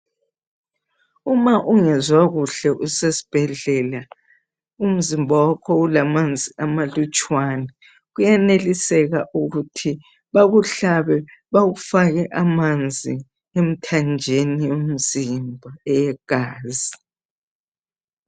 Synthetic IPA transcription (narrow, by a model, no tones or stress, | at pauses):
umaʔuŋɛzwaɣuɬɛʔusesi̥b̥ʱɛɮɛla | um̩zimbʱawakʰɔulamand͡zʱiʔamalut͡ʃʼwanɛ | ɣujɛnelisɛɣaʔuɣutʰi | βaɣuɬaβɛβaɣufaɣɛʔamand͡zʱi | em̩tʰand͡ʒʱenijom̩zimbʱaɛjɛɡ̥ʱaːzi